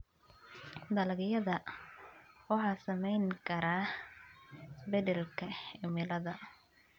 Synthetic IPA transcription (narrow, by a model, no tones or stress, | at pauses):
d̪ɐlɐɣjɐðɐ | wɑħɑːsɐmɛjŋkʰɐɾaː | bɛðɛlkʰɐɪmɪlɐðɐ